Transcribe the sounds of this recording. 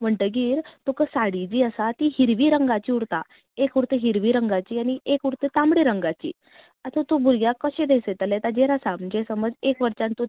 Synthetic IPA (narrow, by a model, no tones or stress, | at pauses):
m̤əɳʈəɡiːɾt̪okəsaɽid͡ʑiːəsat̪iɦiɾʋiːɾəŋɡat͡ɕiːuɾt̪a | ekuɾt̪eɦiɾʋiːɾəŋɡat͡ɕiːaniekuɾt̪et̪amɽiɾəŋɡat͡ɕḭː | at̪ət̪obuɾɡjakəɕẽd̪eset̪əlɛt̪ad͡ʑeɾasamd͡ʑesəməd͡zekʋəɾt͡ɕant̪u